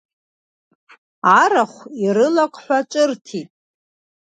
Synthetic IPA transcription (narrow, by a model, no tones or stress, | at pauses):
aɾaχʷiɾɨlakʷʼħʷᶣat͡ʃʷʼɨrtʰitʼ